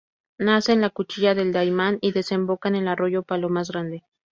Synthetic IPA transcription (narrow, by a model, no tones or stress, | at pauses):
nase̞nlakut͡ʃiʝaðe̞ld̪ajmaniðe̞se̞mbo̞kane̞laro̞ʝo̞palo̞maz̬ɣɾand̪e̞